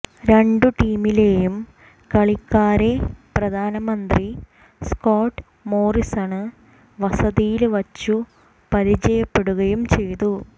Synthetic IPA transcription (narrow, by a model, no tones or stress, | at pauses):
ɾe̞ɳɖuʈiːmile̞ːjum | kɐɭikːaːɾe̞prɐd̪ʱaːnɐmɐnd̪ri | skoːʈː | mo̞ːrisaːɳɨ | ʋɐsɐðijilʋɐt͡ɕːu | pɐɾit͡ɕɐjɐpːe̞ɽuɣɐjumt͡ɕe̞jt̪u